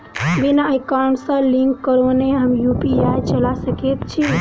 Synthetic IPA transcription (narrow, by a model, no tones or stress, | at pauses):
binaəjkaɳsə̃liŋkːəɾoneɦəmjupiajt͡ʃəlasəkɛt̪t͡ʃʰi